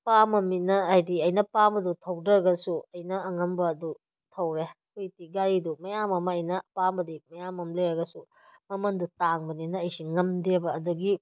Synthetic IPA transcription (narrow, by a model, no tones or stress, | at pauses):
pamɐminɐajdiɐjnɐpambɐdutʰɐwdɐɡɐsuɐjnɐːŋɐmbɐːdu | tʰɐwɾekʰujtiɡaɾidumɐjamɐmɐːjnɐpambɐdimɐjamɐmleɾɐɡɐsu | mɐmɐndutaŋbɐninɐːjsiŋɐmdebɐːduɡi